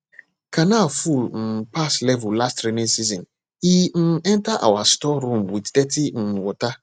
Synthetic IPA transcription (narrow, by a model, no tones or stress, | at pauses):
kʰanafulm̩paslɛvulastɾenĩnsizɔ̃n | hin̩ɛ̃ntaʔa̰wastɔɾũmwiddɛtin̩wɔta